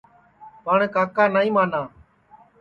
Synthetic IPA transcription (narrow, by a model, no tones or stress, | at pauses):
paːɳkaːkaːnaːĩːmaːnaː